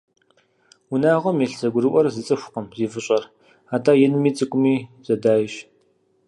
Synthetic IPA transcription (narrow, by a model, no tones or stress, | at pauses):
wʊnaːʁʷɔmjiɬzɐɡʷʊɾɨʔʷɔrzɨt͡sʼɨxʷʊqəmziːvɨɕʼɐr | aːtʰaːjɛnmiːt͡sʼɨkʷʼʊmiːz̥ɐdaːjɕ